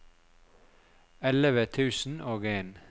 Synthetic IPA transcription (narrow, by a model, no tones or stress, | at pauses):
ɛləʋət̪ʰʉːsn̩ʔoːɡeːn